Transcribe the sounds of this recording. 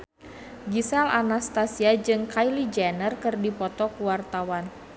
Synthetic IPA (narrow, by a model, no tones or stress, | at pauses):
ɡisalanast̪asiad͡ʒɨŋkajlid͡ʒɛnərkɨrdipɔt̪ɔkuwart̪awan